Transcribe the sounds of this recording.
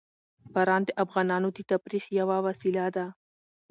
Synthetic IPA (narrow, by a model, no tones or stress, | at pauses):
paɾɑnd̪əʔafɣɑnɑnod̪ət̪afɾixjawawasilad̪a